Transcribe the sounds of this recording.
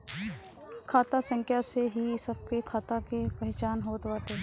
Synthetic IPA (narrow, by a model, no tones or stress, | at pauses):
kʰaːt̪asə̃ŋkʰjaseɦiɪsəb̚kekʰaːt̪akepɛɦt͡ʃaːnɦoːt̪waːt̪eː